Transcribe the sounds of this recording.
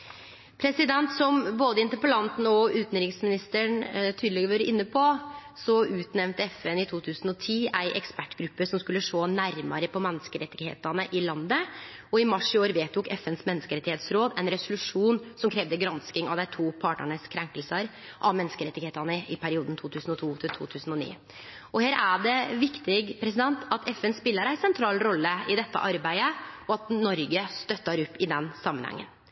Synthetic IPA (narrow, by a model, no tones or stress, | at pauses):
pʰɾɛsɪd̪ɛnt̪sɔmboːd̪əɪnt̪əɾpəlɑnt̪n̩ɔʉːt̪nɾɪŋsmɪnɪst̪əɳt̪ʰyːd̪lɛːɡəɾʋøːɾəʔɪnːəpʰɔsɔʉːt̪nɛʋnt̪əɛfɛnɪt̪ʰuːt̪ʰʉːsn̩ɔt̪ʰiːæɪʔɛkspæʈːɡɾʉpːəʂɔmskʉlːəʂoːnæɾmɑɾəpʰɔmɛnːəskəɾɛt̪ːɪɡhḛːt̪ɑnəʔɪlɑnd̪əɔɪmɑʂɪoːɾʋeːt̪ʰːʊkɛfɛnsmɛnːəskəɾɛt̪ːɪheːt̪sɾoːd̪ɛnɾɛsʊlʉʂuːnsɔmkʰɾeːʋd̪əɡɾɑnskɪŋɑ̰ʋd̪æɪt̪ʰuːpʰɑːʈɳə̰ɳəskʰɾɛŋkəlsəɾ | ʔɑʋmɛnːəskəɾɛt̪ːɪɡeːt̪ɑnəʔɪpʰæɾɪuːd̪nt̪ʰuːt̪ʰʉːsən̩ɔt̪ʰuːt̪ʰɪt̪ʰṵːt̪ʰʉːsn̩ɔnḭː | ɔheːɾʔæɖɛʋɪkt̪ɪɡpʰɾɛsɪd̪ɛnt̪ʰɑt̪ɛfɛnspɪlːəɾæɪsɛnt̪ʰɾɑːlɾɔlːəɪd̪ɛt̪ːə̰ʔɑɾbæɪəɔɑt̪nɔɾɡəst̪œt̪ːɑɾɔpːɪd̪ɛnsɑmːənhɑ̰ŋːə̰n